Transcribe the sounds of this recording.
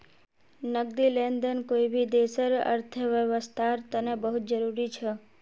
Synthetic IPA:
nəɡ̚d̪ilend̪ənkoibʱid̪esəɾə̰ɾt̪ʰəʋjəʋəst̪ʰaɾt̪ənebəɦut̪̚d͡ʒəɾuɾit͡ʃʰe

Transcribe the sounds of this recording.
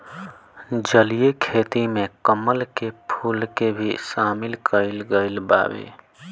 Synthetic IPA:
d͡ʒəlijekʰet̪imẽkəməlkepʰulkebʱisaːmɪlkʰəɪlɡəɪlba̰ːbḛ

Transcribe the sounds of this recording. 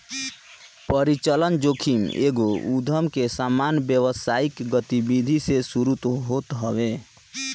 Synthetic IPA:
pəɾit͡ʃələnd͡ʒokʰimḛɡoud̪ʱəmkesamanbjəʋəsaikɡət̪ibid̪ʱisesuɾut̪ɦot̪ɦəwe

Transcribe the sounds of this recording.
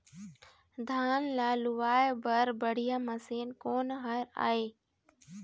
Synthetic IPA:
d̪ʱaːnlaːlʊʋaːebəɾbəɽ̤ijaːməseːnkoːnɦaːɾa̰ːeː

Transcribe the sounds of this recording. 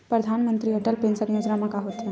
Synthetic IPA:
pɾɐd̪ʱaːnmə̃nt̪ɾiɐʈəlpẽːnsəɾjoːd͡ʒnamãkaɦoːt̪ɦɛ

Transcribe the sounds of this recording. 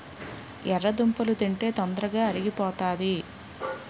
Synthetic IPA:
ɛrːɐd̪umpɐlut̪iɳʈe̞ːt̪ɔnd̪ɾɐɡaːɐɾiɡipɔːt̪aːd̪i

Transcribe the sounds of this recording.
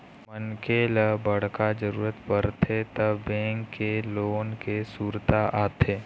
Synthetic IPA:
mənkeləbəɽ̤kad͡ʒəɾuːɾət̪pəɾt̪ʰet̪əbbẽːŋkːeloːnkesuːɾt̪aʔaːt̪ʰeː

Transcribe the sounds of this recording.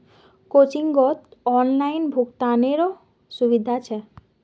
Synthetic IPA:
kot͡ɕiŋɡot̪ɔnlajnbʱukt̪aneɾo | ʃubid̪ʱat͡ɕʰe

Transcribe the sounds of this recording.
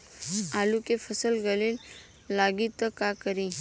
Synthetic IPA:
alukefʰəsəlɡəlel | laɡit̪əkakəɾĩ

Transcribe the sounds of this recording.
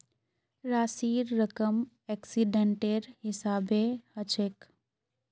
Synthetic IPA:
ɾaːsiːɾːəkəm | eksiɖeɳʈeɾɦɪsaːbehət͡ʃʰek

